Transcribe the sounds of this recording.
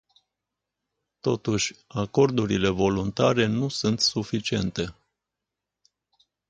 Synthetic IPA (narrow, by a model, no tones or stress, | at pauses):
t̪o̞t̪uʃʲako̞rd̪uɾile̞vo̞lunt̪aɾe̞nusunt̪sufit͡ʃie̞nt̪e̞